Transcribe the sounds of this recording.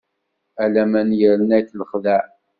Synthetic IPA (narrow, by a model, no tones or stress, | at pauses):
ælæmænjəɾənæjθləχðəʕ